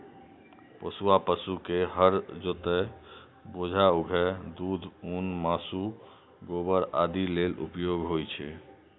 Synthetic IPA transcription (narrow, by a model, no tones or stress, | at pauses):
pəsuapəsukeɦəɾd͡ʒot̪ɛ | bod͡ʒʱauɡʱɛd̪ud̪ʱunmasu | ɡobəɾad̪ilelṵpjoɡʱɦojt͡ʃʰɛ̰